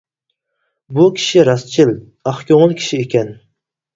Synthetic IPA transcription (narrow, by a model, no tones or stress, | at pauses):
bukʲʰi̥ʃiɾɑst͡ʃʰil | ɑχkʲʰoŋɨlˠkʲʰi̥ʃiekʲʰɛn